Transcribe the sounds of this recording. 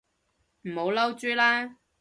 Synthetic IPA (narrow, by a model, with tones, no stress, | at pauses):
m̩˨˩ho˨˧wlɐ˥wt͡ʃyː˥laː˥